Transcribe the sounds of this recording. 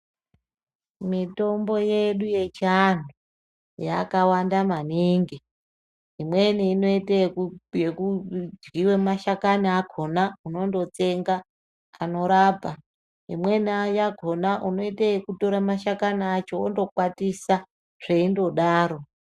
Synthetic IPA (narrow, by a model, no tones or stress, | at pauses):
mito̞mbo̞je̞ɗuje̞t͡ʃian̤u | jakawandamaniŋɡi | imwe̞niːno̞itejekud͡ʒɡiwemaʃakaniaɡʱo̞nauno̞ndo̞t͡se̞ŋɡa | ano̞ɾaːbʱa | ḭmwe̞niajaɡʱo̞naʔuno̞itajekuto̞ɾamaʃakaniat͡ʃo̞ondo̞kwatisa | ʐ̥e̞indo̞ɗaːɾo̞